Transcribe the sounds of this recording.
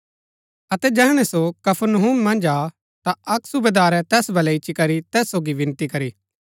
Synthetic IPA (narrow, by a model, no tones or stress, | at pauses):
ɐt̪ɛd͡ʒɛːɽ̃ɛ̃sokɐpʰəɾnəɦumːɐ̃nd͡ʒa | t̪aɐksʊbed̪aːɾɛt̪ɛːsbɐlɛɪʃikɐɾit̪ɛːsːoːɡiʋɪ̃nt̪ikɐɾiː